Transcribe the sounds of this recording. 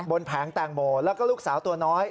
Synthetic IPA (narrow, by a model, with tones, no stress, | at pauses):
bo˧npʰaː˩˦ŋt̪aː˨˩ŋmoː˨˩lɛː˦˥˩kɔː˥˩luː˥˩k̚saː˩˦wt̪u˧ənɔː˦˥j